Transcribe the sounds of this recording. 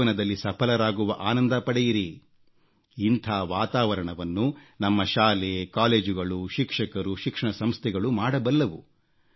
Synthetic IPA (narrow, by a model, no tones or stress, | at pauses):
ɐnɐd̪ɐlːisɐpʰɐlɐɾaːɡuʋɐʔaːnɐnd̪ɐpɐɽɛjiɾi | int̪ʰaːʋaːt̪aːʋɐɾɐɳɐʋɐnːunɐmːɐʃaːlekaːle̞ːd͡ʒuɡɐɭuʃikʂɐkɐɾuʃikʂɐɳɐsɐmst̪ʰɛɡɐɭumaːɽɐbɐlːɐʋu